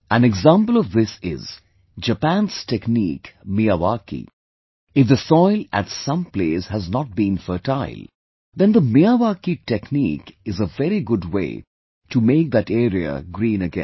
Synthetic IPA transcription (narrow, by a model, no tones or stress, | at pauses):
æ̃nɛɡzãmpəl̩ˠɔvðɪsɪ̰z | d͡ʒəpæ̃nz̥tɛknḭːkmiaʋakḭ | ɪfd̪əsɔɪlæ̰tsʌ̃mpleːshəznɔʈ̚bĩnfəʈaɪlˠ | ðɛ̃nd̪əmiaʋakitɛknḭkɨzəvɛɾiɡʊdwḛɪ | ʈumeːk̚d̪æʈɛːɾiə̰ɡɾĩːnɨɡɛ̰̃n